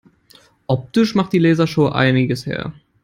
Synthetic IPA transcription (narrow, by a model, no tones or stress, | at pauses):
ʔɔp̚tɪʃmaχtd̥iːlɛːzɐʃoːʔa̰ɪnɪɡəshḛːɐ